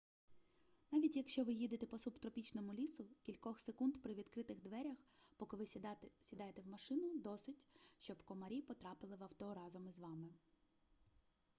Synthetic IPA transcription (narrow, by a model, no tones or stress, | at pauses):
nɑʋʲitʲjɐkʃt͡ʃɔʋɪjid̪et̪ɛpɔsupt̪ɾɔpʲit͡ʃnɔmʊlʲisʊkʲilʲkɔxsekund̪pɾɪʋʲid̪kɾɪt̪ɪɣd̪ʋɛɾʲɐxpɔkɪʋɪsʲid̪ɑjet̪ewmɐʃɪnʊd̪ɔsɪtʲʃt͡ʃɔbkɔmɐɾʲipɔt̪ɾɑpɪlˠɪʋɐwt̪ɔɾɑzɔmɪzʋɑmɪ